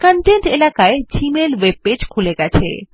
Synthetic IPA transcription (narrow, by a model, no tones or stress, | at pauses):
kəɳʈeɳʈelakaed͡ʑimelweb̚ed͡ʑkʰuleɡɛt͡ɕʰḛ